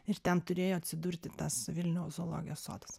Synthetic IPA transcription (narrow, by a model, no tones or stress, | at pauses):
ɪɾt̪ʲɛnt̪ʊɾʲeːjoːɐt̪ʲsʲɪd̪uːɾʲt̪ʲɪt̪ɐsʋʲɪlʲnʲɛʊzoːlˠo̰ːɡʲɪjoːso̰ːd̪ɐs